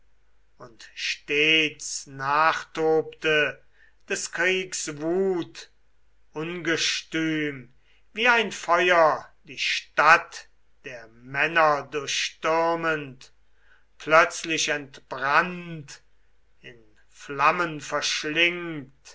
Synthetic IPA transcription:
ʊntʃteːt͡snaːχtoːptə | d̥ɛskʁiːksvuːt | ʔʊnɡəʃtyːm | viːaɪnfɔʏɐdiːʃtat | d̥eːɐmɛnɐdʊɐʃʃtʏʁmənt | pʰlœt͡slɪʃɛntb̥ʁant | ɪn | flamənfɛɐʃlɪŋt

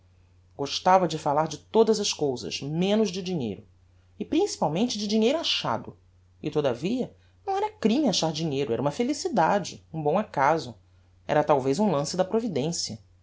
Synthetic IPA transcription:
ɡ̥oʃt̪avɐd͡ʒɪfalaɾd͡ʒɪt̪od̪ɐzɐskowzɐ̰ʃmẽnʊzd͡ʒɪd͡ʒiɲḛjɾʊ | ɪpɾĩsi̥pawmẽnt͡ʃɪd͡ʒɪd͡ʒiɲejɾʊaʃa̰d̪ʊ | ɪt̪od̪ɐviɐ | nɐ̃w̃ɛɾɐkɾĩmiaʃaɾd͡ʒiɲejɾʊɛɾɐũmɐfelisid̪ad͡ʒɪ̰ũbõakazʊ | ɛ̰ɾɐt̪awvejzũlɐ̃sɪd̪ɐpɾovid̪ẽsjɐ

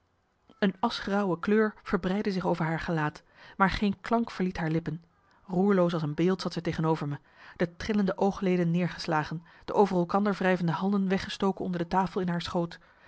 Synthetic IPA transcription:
ənɑsχrɑwəkløːɹv̥əɹbrɛjdəzɪχowvəɹɦaːɹχəlaːt | maːɹχejnklɑŋkfəɹlitɦaːɹlɪpən | ruːɹlows̬ɑlˠsənbɪːlˠtsɑtsɛjtejχənowvəɹmə | d̥ətrɪləndəʔowχlejdənːɪːɹχəslaːχən | d̥əʔowvərɛlˠkɑndəɹvrɛjvəndəɦɑndənʋɛχəstowkənɔ̰ndəɹdətaːfəlˠɪnɦaːɹsχowt

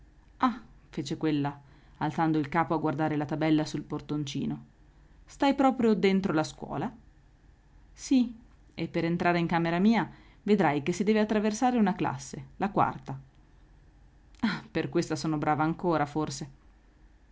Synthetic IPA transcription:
afeːt͡ʃekwelːa | alt̪sand̪oilkaːpoaɡːward̪aːɾelat̪abɛlːasulport̪ont͡ʃḭːno | st̪ajpɾɔːpɾjod̪ent̪ɾolaskwɔ̰ːla | si | epːeɾent̪ɾʔaːɾeiŋkaːmeɾamiːa | ved̪ɾajkesːid̪ɛːveat̪ːɾaversaːɾeunakla̰sːelakwa̰rt̪a | aperkwest̪asɔːnobɾʔaːvaːŋkoːɾaforse

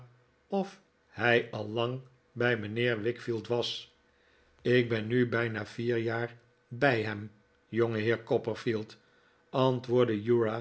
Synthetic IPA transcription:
ɔf | hɛjɑlˠːɑŋ | bɛjmənɪːɹʋɪkfilˠtʋɑs | ɪk̚bɛnybɛjnaːviːɹjaːɹ | bɛjɦɛm | joŋəɦɪːɹkɔpəɹfilˠt | ʔɑntʋʊːɹdəjuɹa

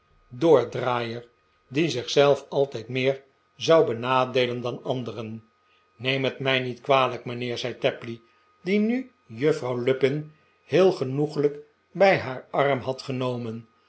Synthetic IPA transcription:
doːɹdraːjəɹ | dizɪχsɛlˠfɑlˠtɛjtmɪːɹ | zɑwbənaːdejləndɑnɑndərən | nejmɦətmɛjnitkʋaːləkmənɪːɹzɛjtɛpli | diny | jɵfrɑwlɵpɪn | hɪːlˠχənuχələk | bɛjɦaːɹɑrmɦɑtχənowmən

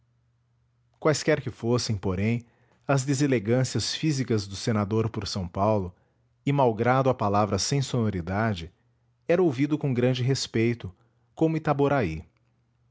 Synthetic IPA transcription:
kwajskɛɾkɪfosẽj̃poɾẽj̃ | ɐzd̪ezeleɡɐ̃siɐsfizikɐzd̪ʊsenad̪oɾpoɾsɐ̃w̃pawlʊ | ɪmawɡɾad̪ʊapalavɾɐsẽj̃sonoɾid̪ad͡ʒɪ | ɛɾɐowvid̪ʊkõɡɾɐ̃d͡ʒɪɦespejt̪ʊ | kõmʊɪt̪aboɾai

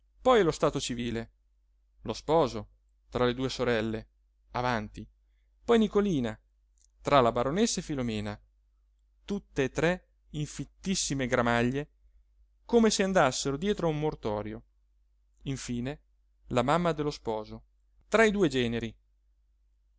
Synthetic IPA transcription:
pɔjlost̪aːt̪ot͡ʃiviːle | lospɔːzo | t̪ɾaled̪uːesoɾɛlːe | avant̪i | pɔjnikoliːna | t̪ɾalabaɾonesːaefilomɛːna | t̪ut̪ːeːt̪ɾɛ | iɱfit̪ːisːimeɡɾamaʎːe | komeseand̪asːeɾod̪jɛːt̪ɾoaumːort̪ɔːɾjo | iɱfiːne | lamamːad̪elːospɔːzo | t̪ɾaid̪uːed͡ʒɛːneɾi

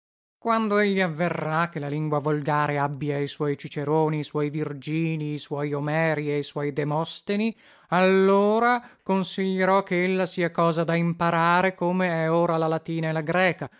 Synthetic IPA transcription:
kwand̪oeʎːiavːerːakːelaliŋɡwavolɡaːɾeabːiaiswɔjt͡ʃit͡ʃeɾoːniːswɔjvird͡ʒiːniːswɔːjomɛːɾiejswɔjd̪emɔst̪eni | alːoːɾakonsiʎːeɾɔkːeelːasiːakɔːzad̪aimpaɾaːɾekomeɛoːɾalalat̪iːnaelaɡɾɛːka

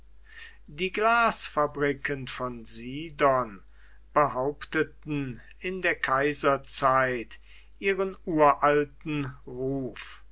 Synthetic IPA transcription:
diːɡlaːsfabʁikʰənfɔnziːdɔn | b̥əɦaʊptətn̩ | ɪndeːɐkʰaɪzɐt͡saɪt | ʔiːʁənuːɐʔaltn̩ʁuːf

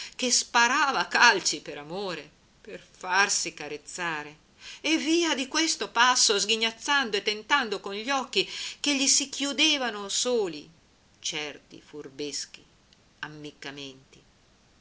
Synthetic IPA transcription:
kespaɾaːvakalt͡ʃipeɾamoːɾe | perfarsikaɾet̪sːaːɾe | evːiːad̪ikwest̪opasːozɡiɲːat̪sːand̪oet̪ːent̪and̪okonʎɔkːikeʎːisikjud̪eːvanosoːli | t͡ʃɛrt̪ḭfurbesk̟i | amːikːament̪i

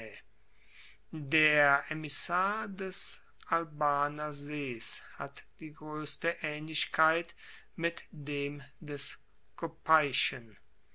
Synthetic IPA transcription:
deːɐʔɛmɪsaːɐdɛs | ʔalbaːnɐzeːsha̰td̥iːɡʁøːstəʔɛːnlɪʃkʰaɪt | mɪtdeːmdɛs | kʰopʰaɪʃən

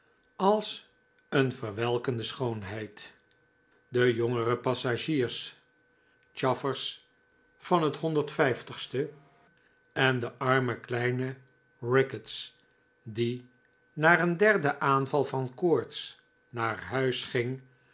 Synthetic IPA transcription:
ɑlˠs | ənvəɹʋɛlˠkəndəsχownɦɛjt | dəjɔŋərəpɑsaʒiːɹs | t͡ʃɑfəɹs | fɑnɦətɦɔndəɹtfɛjftəχstə | ɛndəʔɑɹməklɛjnə | ɹɪkəts | di | naːrəndɛɹdəʔaːnvɑlˠvɑnkʊɹts | naːɹɦœɥsχɪŋ

